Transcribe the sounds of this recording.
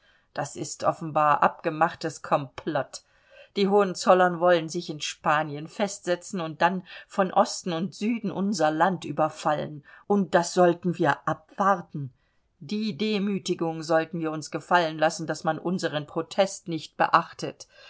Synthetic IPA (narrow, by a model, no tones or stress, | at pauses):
d̥asɪstʔɔfn̩baːɐʔa̰p̚ɡ̥əmaχtəskʰɔmpʰlɔt | d̥iːɦoːənt͡sɔlɐnvɔlənzɪçɪnʃpaːnjənfɛstz̥ɛt͡sn̩ʊnt̚d̥anfɔnʔɔstn̩ʊntz̥yːdn̩ʔʊnzɐlantʔy̰ːbɐfalə̰nʔʊnt̚d̥asz̥ɔltn̩viːɐʔapv̥aɐtn̩ | d̥iːdeːmyːtɪɡʊŋzɔltn̩viːɐʊnsɡ̥əfalənlasn̩dasmanʔʊnzəʁənpʁ̥otʰɛstnɪçt̚b̥ə̰ʔaχtət